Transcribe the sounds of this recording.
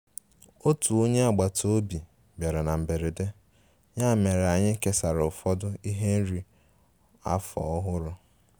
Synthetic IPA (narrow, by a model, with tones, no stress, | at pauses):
o˦tu˨o˦ɲe˦a˨ɡ͡ba˨tʰo˦o˦bi˨ | ba˨ɾe˨na˨m̩˨be˨ɾe˨de˦ | ɲa˦˨me˨ɾa˨ɲɪ˦ke˦sa˨ɾʊ˨ʊ˨fɔ˦dʊ˦i˦ɦe˦n̩˦ɾi˨ | a̰˦fɔ̰˨ɔ˦ɦʊ˦ɾʊ˦